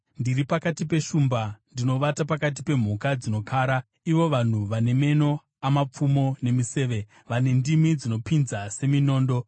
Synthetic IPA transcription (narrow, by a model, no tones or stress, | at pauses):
ndiɾipakatipe̞ʃuːmbandino̞ʋatapakat̬ipe̞m̤ukad͡zino̞kʰaːɾa | iʋo̞ʋan̤uʋane̞me̞no̞ | amap͡fumo̞ne̞mise̞ːʋe̞ | ʋane̞ndimid͡zino̞pinzase̞mino̞ːndo̞